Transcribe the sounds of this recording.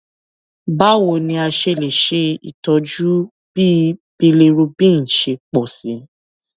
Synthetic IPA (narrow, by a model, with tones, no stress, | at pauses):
ba˦˨wo˧˨nĩ˧a˧ʃe˧˨le˨ʃe˧˦ḭ˨tɔ˧d͡ʒu˦ | b̥i˦b̥i˧le˧ɾu˧bĩ˦n̩˨ʃe˧k͡pɔ˦˨sĩ˨˦